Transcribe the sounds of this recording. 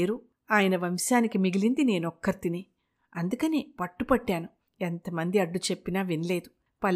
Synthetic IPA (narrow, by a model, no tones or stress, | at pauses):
ɾu | aːjɐnɐʋɐmʃaːnikimiɡilind̪ine̞ːnɔkːɐɾt̪ineː | ɐnd̪ukɐne̞ːpɐʈːupɐʈːaːnu | ent̪ɐmɐnd̪iɐɖːut͡ʃe̞pːinaːʋinle̞ːd̪u | pɐl